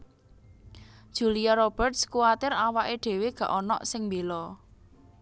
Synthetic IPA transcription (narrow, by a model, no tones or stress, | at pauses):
d̥ʒ̥ṳliaɾɔb̥ə̤rt̪̚skuwat̪ɪɾawaʔeɖ̥e̤weɡ̥ä̤ʔɔnɔ̰ʔsɪŋmbelɔ